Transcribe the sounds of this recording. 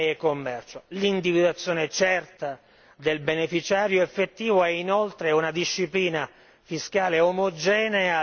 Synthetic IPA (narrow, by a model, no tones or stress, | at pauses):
ekːomːɛrt͡ʃolind̪ivid̪at̪sːjoːnet͡ʃɛrt̪a | d̪elbenefit͡ʃaːɾjoefːet̪ːiːvoɛinolt̪ɾeunad̪iʃːipliːna | fiskaːleomod͡ʒɛːnea